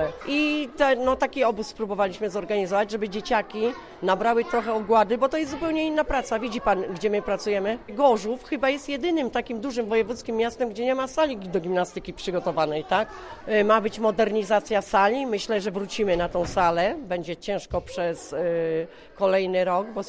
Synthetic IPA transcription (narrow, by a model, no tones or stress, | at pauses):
ʔit̪ɛnɔt̪akʲiɔbusspɾubɔvalʲiɕmɘzɔɾɡaɲizɔvad͡ʑʐɛbɘd͡ʑet͡ɕakʲi | nabɾawɘt̪ɾɔxɛɔɡwad̪ɘbɔt̪ɔjɛszupɛwɲɛinːapɾat̪savʲid͡ʑipanɡd͡ʑɛmɘpɾat̪sujɛmɘɡɔʐufxɘbajɛst̪jɛd̪ɘnɘmt̪akʲimd̪uʐɘmvɔjɛvut̪skʲimːjast̪ɛmɡd͡ʑɛɲɛmasalʲid̪ɔɡʲimnast̪ɘkʲipʂɘɡɔt̪ɔvanɛjt̪ak | mabɘt͡ɕmɔd̪ɛɾɲizat̪sʲjasalʲimɘɕlɛʐɛvɾut͡ɕimɘnat̪ɔ̃w̃salɛbɛɲd͡ʑɛt͡ɕɛ̃w̃ʂkɔpʂɛs | kɔlɛjnɘɾɔɡbɔ